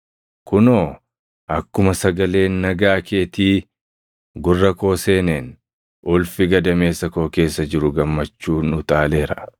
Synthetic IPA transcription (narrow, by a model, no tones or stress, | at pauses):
kʊnoː | ʔɐkːʊmɐsɐɡɐle̞ːnːɐɡaːkʰe̞ːt̪iː | ɡʊrːɐko̞ːse̞ːneːn | ʔʊlfɪɡɐd̪ɐme̞ːsːɐko̞ːke̞ːsːɐd͡ʒɪɾʊɡɐmːɐt͡ʃːuːnʊt̪aːle̞ːɾɐ̥